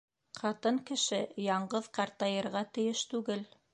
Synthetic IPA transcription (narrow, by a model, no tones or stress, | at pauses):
qʰɑt̪ɤŋkɘ̆ʃɘjɑɴɢɤðqɑɾt̪ɑjɤ̆ɾʁɑt̪ɘ̆jɘʃt̪ʉɡɘl